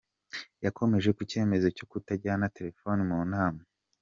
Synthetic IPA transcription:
jakʰo̞me̞ʒe̞kuce̞ːme̞zo̞co̞kutaɟaanate̞ɾe̞fo̞nimuːnaːma

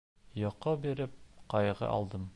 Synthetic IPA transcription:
jɒqɤbiɾɘp̚qɒjʁɤ̰ʔɒ̰lˠd̪ɤm

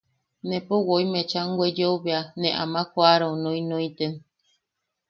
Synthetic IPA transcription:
nẽpowojmet͡ʃaŋɡʷed͡ʒeoβeanẽʔamãkʷaɾonõĩnõĩt̪en

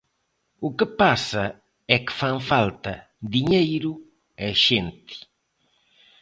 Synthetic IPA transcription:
ukɨpasɐ | ɛkɪ̥faŋfalt̪ɐ | d̪iɲejɾʊ | ɛʃent̪ɪ̥

